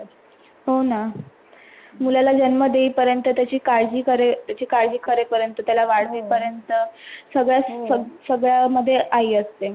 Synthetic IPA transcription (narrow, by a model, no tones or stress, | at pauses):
ɦona | mulalad͡ʑənməd̪eiːpəɾjənt̪ət̪jat͡ɕiːkaɾd͡ʑiːkəɾet̪jat͡ɕiːkaɾd͡ʑiːkʰəɾepəɾjənt̪ət̪jalaʋaɽ̤ʋiːpəɾjənt̪əsəɡɭjasəsəɡɭjaməd̪ʱːjeʔaiːəst̪e